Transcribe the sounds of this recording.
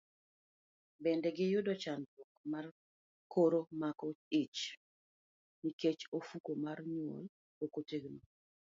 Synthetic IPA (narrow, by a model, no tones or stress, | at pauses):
bɛndɛɡɪjʊdɔt͡ʃandwɔkmar | kʰoɾomakɔit͡ʃ | niket͡ʃofukomarɲɔ̰l | okoteɡno